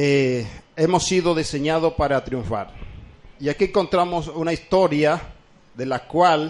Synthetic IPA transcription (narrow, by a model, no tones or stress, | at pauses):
eemosːiðoðiseɲaðopaɾat̪ɾiuɱfa̰ɾiakieŋko̞nt̪ɾamosunaist̪oɾja | ðelakwal